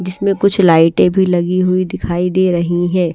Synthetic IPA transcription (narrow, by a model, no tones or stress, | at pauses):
d͡ʒɪsmẽkʊt͡ʃʰlaːɪʈẽbʱilɐɡiɦʊid̪ɪkʰaːid̪eːɾɐɦiɦɛ̃ː